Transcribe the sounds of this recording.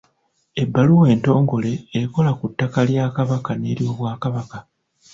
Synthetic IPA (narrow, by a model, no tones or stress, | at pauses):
e̞bːaluwe̞ːnto̞ːŋɡo̞le̞ːko̞lakutːakaljaːkaβakane̞ːɾiwo̞βwaːkaβaka